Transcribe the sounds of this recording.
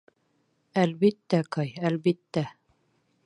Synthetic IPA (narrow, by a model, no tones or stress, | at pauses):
ælβit̪ːækɑjælβit̪ːæ